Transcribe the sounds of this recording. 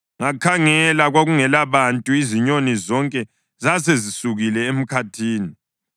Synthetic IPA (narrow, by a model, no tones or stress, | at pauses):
ŋakʰaŋɛlaɣwaɣuŋɛlaβantʼuiziɲonizɔŋkʼɛ | zasezisuɣilɛem̩kʰatʰiːni